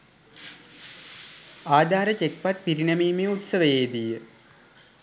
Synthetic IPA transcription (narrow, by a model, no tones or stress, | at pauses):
aːd̪ʱaːɾət͡ʃek̚pat̪̚piɾinəmiːmeut̪səʋəjeːd̪ijə